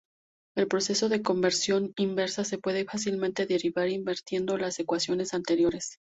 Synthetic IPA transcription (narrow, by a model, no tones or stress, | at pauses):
e̞lpɾose̞so̞ðe̞ko̞mbe̞ɾsjo̞nimbe̞ɾsase̞pwe̞ðe̞fas̬ilmẽnt̪e̞ðe̞ɾiβaɾimbeɾt̪je̞nd̪o̞lasekwasjo̞ne̞sant̪e̞ɾjo̞ɾe̞s